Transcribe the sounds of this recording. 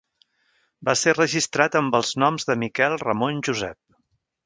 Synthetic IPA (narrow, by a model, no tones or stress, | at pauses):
baserəʒist̪ɾat̪əmbəlˠznɔmzðəmikɛlˠrəmonʲʒuzɛp̚